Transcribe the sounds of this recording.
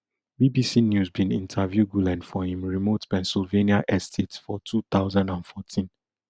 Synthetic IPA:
bibisinjuzbĩnḭ̃ntʰavjuɡulɛ̃ndfɔhĩmɹimotpɛ̃nsilveniaʔɛstʰetsfɔtʰut̪aʊzãndãnfɔtʰĩn

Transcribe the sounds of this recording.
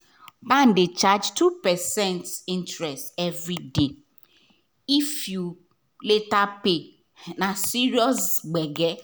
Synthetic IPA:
ban̩dɪt͡ʃad͡ʒtupɛsɛ̃ntĩntɾɛstɛvɾide | ifju | letape | nasiɾiɔsɡ͡bɛɡɛ

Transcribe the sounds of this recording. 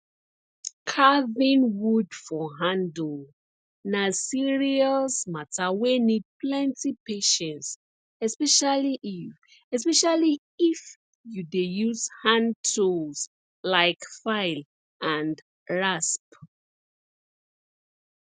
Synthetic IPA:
kʰavĩnwudfɔɦãndl | nasiɹiasmatʰawenid̚plɛ̃ntipeʃɛ̃nts | ɛspɛʃaliʔi | ɛspɛʃali | if | judejuz̥hãntʰos | laɪkfaɪl | ʔãnd | ɹasp

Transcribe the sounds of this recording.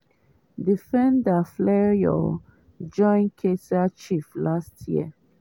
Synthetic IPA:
difɛ̃ndaflɛɹjɔ̰ | d͡ʒɔ̃ɪ̃nkʰesat͡ʃiflastʰjḭə

